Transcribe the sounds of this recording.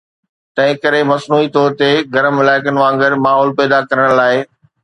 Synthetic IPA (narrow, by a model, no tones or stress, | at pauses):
t̪ɐ̃ɦɪ̃kɐɾemɐsnuːit̪ɔːɾt̪eɡɐɾəmːɪlaːɪkənɪʋãːŋ̆ɡɪɾmaːɦɔːlpɛːd̪akɐɾəɽ̃laːe